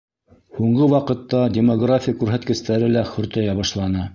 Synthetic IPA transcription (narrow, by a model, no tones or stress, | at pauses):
huɴɢɤwɑqɤ̆t̪ːɑdʲɪmoɡrafʲɪjakʉɾɦæt̪kɘ̆st̪æɾɘlæχɵ̆ɾt̪æjɑβɑʃlˠɑnɤ